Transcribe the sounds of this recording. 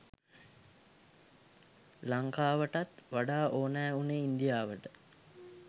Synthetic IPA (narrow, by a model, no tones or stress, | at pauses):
laŋkaːʋəʈat̪ʋaɖaːʔoːnɛːuneind̪ijaːʋəʈə